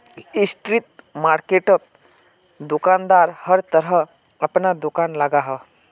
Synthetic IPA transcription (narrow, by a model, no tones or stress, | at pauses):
isʈ̪ɾit̪̚maːɾkeʈəp̚ | d̪ukand̪aːɾhəɾt̪əɾə | əpnad̪ukaːnləɡaɦə